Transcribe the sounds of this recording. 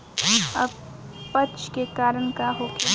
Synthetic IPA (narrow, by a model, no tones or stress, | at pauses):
ɐ̰b | pət͡ʃkekaːɾəɳ̃kaɦoːk